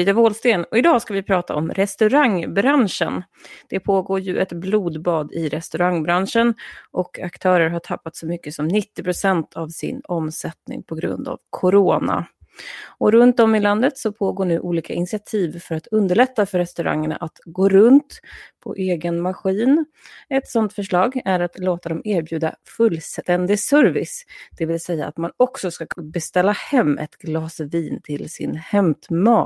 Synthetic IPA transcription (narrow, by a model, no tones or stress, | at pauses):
iːd̪avoːlst̪eːnɔɪd̪ɑːskavɪpʰɾɑːt̪ʰa̰ɔmɾɛst̪ɵɾaŋbɾanʂə̰n | d̪̥ɛpʰoːɡoːɾjɵʔɛt̪bluːd̪bɑːd̪ɪɾɛst̪ɵɾaŋbɾanʂənʔɔkʰakt̪ʰœːɾəɾɦaʈʰapːat̪sɔmʏkːəsɔmnɪt̪ːɪpʰɾʊsɛnt̪ʰavsɪ̰nɔmsɛt̪nɪ̰ŋpʰɔɡɾɵ̰nd̪a̰vkʰʊɾoːna̰ | ɔɾɵnt̪̚dɔmɪland̪ət̪sɔpʰoːɡoːɳʉ̟ːʔuːliːkaʔɪnɪsɪat̪ʰiːvfœɾat̪ɵnd̪əɭɛt̪ːafœɾɛst̪ɵɾa̰ŋːəɳa̰ʔat̪ɡoːɾɵnt̪pʰɔ̰ʔeːɡənmaɧiːn | ɛt̪sɔnt̪fœʂɭɑːɡæɾat̪loːt̪ad̪ɔmeːɾbjʉ̟ːd̪a̰fɵlːst̪ɛnd̪ɪsœɾvɪ̰sd̪̥ɛvɪlsɛjːaːt̪manɔksɔskabɛst̪ɛlːahɛmːɛ̰t̪ɡlɑːsviːnt̪ʰɪlsɪ̰nhɛmt̪mɑː